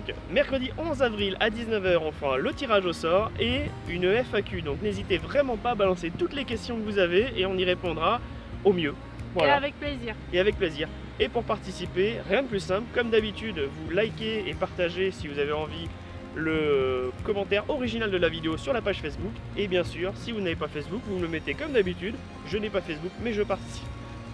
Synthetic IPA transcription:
d̪̃k | mɛʁkχəd̪iʔɔ̃zavʁilad̪iznəvœʁɔ̃fəʁalət̪iʁaʒosɔʁe | ynøɛfakʲyd̪ɔ̃knezit̪evʁɛmɑ̃paːbalɑ̃set̪ut̪lekʲɛst̪jɔ̃kəvuzaveeɔ̃niʁepɔ̃d̪ʁa | omjø | vwaavɛk̚pleziʁeavɛk̚pleziːʁ | epuʁpaʁt̪isipeʁjɛ̃d̪əplysɛ̃plkɔmd̪abit̪yd̪vulajkʲeːpaʁt̪aʒesivuzaveɑ̃vi | ləkɔmɑ̃t̪ɛʁɔʁiʒinald̪əlavid̪eosyʁlapaʒfɛsbuk | ebjɛ̃syʁsivunavepafɛsbukvuməmɛt̪ekɔmd̪abit̪yd̪ | ʒənɛpafɛsbukmɛʒəpaʁt̪i̥si̥p

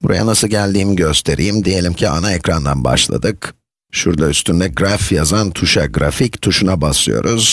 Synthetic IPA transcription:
buɾa̰ja̰nasɯlˠɟælʲd̪iːmiɟø̞st̪ʰe̞ɾʔḭjimd̪ije̞lʲimcʰianaecɾand̪anba̰ʃlˠa̰d̪ɯk | ʃuɾd̪ˠayst̪ʰynd̪ɛɡɾafjazant̪ʰuʃaɡɾafict̪ʰuʃunabaslˠɯ̰jo̞̰ɾuz̥

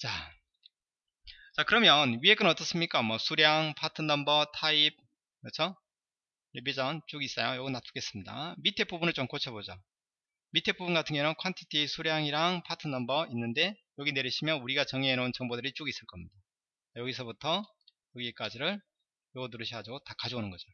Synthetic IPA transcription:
t͡ɕa | t͡ɕakɯɾʌmjʌnɥiek͈ɯnʌt͈ʌs͈ɯmɲik͈amwʌsʰuɾjaŋpʰatʰɯnːʌmbʌtʰaib̚ | mʌt͡ɕʰo | ebid͡ʑʌnt͡ɕ͈uɡis͈ʌjojʌɡɯnapʰu̥ɡe̞s͈ɯmɲida̰mitʰe̞pʰubunɯɭt͡ɕomkot͡ɕʰʌbod͡ʑo | mitʰe̞pʰubunɡatʰɯŋɡenʌnkʰantʰi̥tʰisʰuɾjaŋiɾaŋpʰatʰɯnːʌmbʌinːɯnde̞jʌɡine̞ɾiɕʰimjʌnuɾiɡat͡ɕʌŋeenount͡ɕʌŋbodɯɾit͡ɕ͈uɡis͈ɯɭk͈ʌmɲida | ajʌɡisʰʌbutʰʌ | jʌɡik͈ad͡ʑiɾɯɭ | jʌɡʌnuɾɯɕʰʌɡad͡ʑiɡotakad͡ʑoonɯnɡʌd͡ʑo

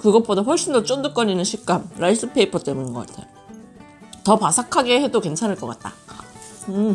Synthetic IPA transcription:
kɯɡʌp͈odaɸwʌɭɕ͈indʌt͡ɕ͈ondɯk͈ʌɲinɯnɕʰik̚k͈amɾais͈ɯpʰe̞ipʰʌt͈e̞muninɡʌk͈atʰḛjo | tʌpasʰakʰaɡe̞he̞doke̞nt͡ɕʰanɯɭk͈ʌk͈at̚t͈a̰ | ɯ

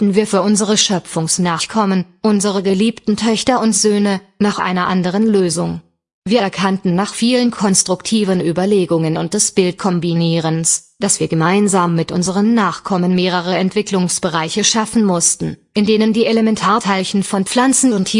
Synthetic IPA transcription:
tn̩viːɐfyːɐʔʊnzəʁəʃœfʊŋsnaːχkʰɔmənʔʊnzəʁəɡəliːptn̩tʰœçtɐʊntz̥øːnə | naːχʔa̰ɪnɐʔandəʁ̞ənløːzʊŋ | viːɐɛɐkʰantn̩nːaːχfiːlənkʰɔnstʁ̥ʊktʰiːvənʔyːbɐleːɡʊŋənʊnt̚d̥ɛsb̥ɪlt̚kʰɔmbiniːʁənsd̥asv̥iːɐɡəmaɪnzaːmːɪtʔʊ̰nzəʁ̞ənːaːχkʰɔmənmeːʁ̞əʁəɛntv̥ɪklʊŋsb̥əʁaɪçəʃafn̩mʊstn̩ʔɪndeːnəndiːeləmɛntʰaːɐtʰaɪlçn̩fɔnp͡flant͡sn̩ʊntʰi

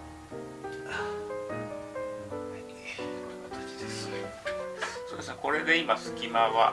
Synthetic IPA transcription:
a | iokat̪at͡ɕi̥d̪es | soːd̪esɨneko̞ɾe̞ɡ̪aimasɨ̥kʲimaβa

